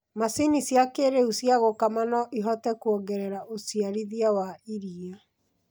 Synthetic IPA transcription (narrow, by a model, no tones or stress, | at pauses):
masinisjakeɾeusiaɣokamanɔʔiɦɔtɛkuɔɡɛɾɛɾaʔosiaɾiðiawaiɾia